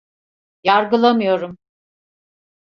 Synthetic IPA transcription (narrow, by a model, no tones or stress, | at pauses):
jaɾɡɯlˠamɯjo̞ɾum